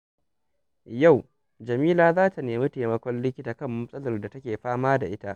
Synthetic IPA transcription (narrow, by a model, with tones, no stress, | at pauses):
ja˦˨w | d͡ʒɐ˨miː˦laː˨zaː˦ta˨neː˨miː˦teː˨mɐ˦kʷɔ˦nlɪ˦kʲːɪ˦taː˨kɐ˦˨mːɐ˦sʼɐ˦lɐ˨rda˨tɐ˦kʲeː˨ɸaː˦maː˦da˨ʔɪ˦ta˦˨ʔ